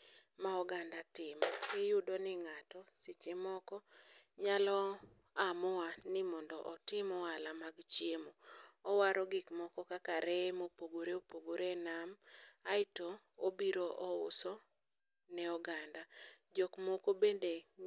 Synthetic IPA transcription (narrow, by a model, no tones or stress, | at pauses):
maɔɡandatɪmɔkɪjʊdonɪŋatɔsɪt͡ʃemɔkɔɲalɔ | amɔanɪmɔndɔʔɔtɪmɔalamaɡt͡ʃjemoɔwaɾɔɡɪkmɔkɔkakaɾemopoɡoɾeopoɡoɾenamaɪtoobiɾoʔɔʊ̰sɔ | nɛɔɡandad͡ʒokmokobende